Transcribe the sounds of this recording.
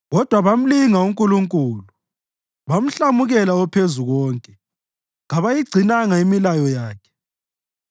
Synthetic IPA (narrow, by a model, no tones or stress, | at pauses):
ɣɔd̥ʱwaβam̩liŋauŋkʼuluŋkʼuːlu | βam̩ɬamuɣɛlaɔpʰezuɣɔːŋkʼɛ | ŋaβajiɡ͡ǀʱinaŋaimilajɔjaːkʰɛ̥